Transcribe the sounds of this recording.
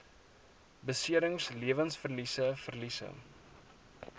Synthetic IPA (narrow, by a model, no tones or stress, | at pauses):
bəsiəɾəŋsliəvənsfərlisəfərlisə̰